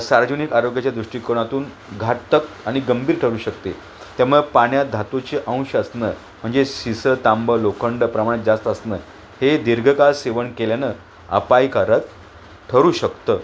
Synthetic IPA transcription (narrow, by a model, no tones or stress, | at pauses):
saɾʋəd͡ʑunikaɾoɡjat͡ɕjad̪ɾuʂʈiːkəɾɳ̃at̪uːn | ɡʱat̪ək | aɽ̃iɡəmbʱiːɾʈʰəɾuːɕəkt̪ḛ | t̪jamuɭəpaɳjad̪ʱat̪ot͡ɕeʔə̃w̃ɕəsnəː | m̤əɳd͡zeɕisət̪ambəlokʰəɳɖəpɾəmaɽ̃et̪̚d͡zast̪əəsnəː | hed̪iɾɡʱəkalseʋəɳkeljanə | ə̰pajkaɾət̪ | ʈʰəɾuːɕəkt̪əː